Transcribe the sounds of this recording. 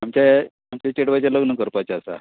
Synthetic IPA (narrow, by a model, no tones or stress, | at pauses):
amt͡ɕa | amt͡ɕat͡ɕeɽʋajt͡ɕaləɡnəkəɾpajt͡ɕaːsa̰